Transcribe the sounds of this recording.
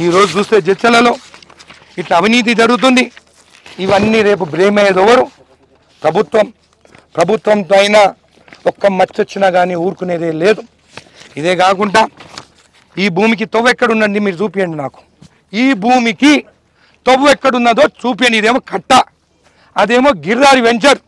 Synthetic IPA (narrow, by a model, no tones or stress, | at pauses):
iːɾo̞ːd͡ʒut͡ʃuːst̪e̞ːd͡ʒɛt͡ʃːɐlɐlo̞ː | iʈlɐɐʋiniːt̪̬id͡ʒɐɽuɡut̪̬und̪i | iʋɐnːiːɾe̞ːp̬ubɾeːɦmɐjed̪ɔʋːɐɾu | pɾɐbʱut̪ʋɐm | pɾɐbʱut̪ʋɐmt̪oɐjnaː | ɔkːɐmɐt͡ʃːot͡ʃːinɐɡaːniːuːɾkuneːd̪eːle̞ːd̪u | id̪e̞ːkaːkuɳʈaː | iːbʱuːmik̬it̪oʋɛkːɐɽunːɐɳɖimiːɾud͡ʒuːpijɐɳɖinaːku̥ | iːbʱuːmiki | t̪oʋuɛkːɐɽunːɐd̪o̞ːt͡ʃuːp̬ijɐɳɖid̪e̞ːmoːkɐʈːɐ | ɐd̪eːmoːɡiɾd̪aːɾiʋeɲt͡ʃɐɾ